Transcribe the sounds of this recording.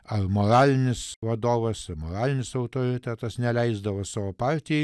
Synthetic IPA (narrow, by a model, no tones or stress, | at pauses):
ɐrmoːɾɑːlʲɪnʲɪsʋɐd̪oːʋɐsɐmoːɾɑːlʲɪnʲɪsɐʊt̪oːɾʲɪt̪ʲæt̪ɐsnʲɛlʲɛɪzd̪ɐʋosɑːʋoːpɑːɾʲt̪ʲɪj